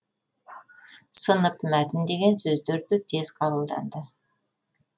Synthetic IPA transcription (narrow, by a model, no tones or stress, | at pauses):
sənəpmæt̪ɪnd̪e̞ɡʲe̞nsɵzd̪eɾd̪ɪt̪ʰe̞z̥qʰɑbəlˠd̪ɑ̰nd̪ə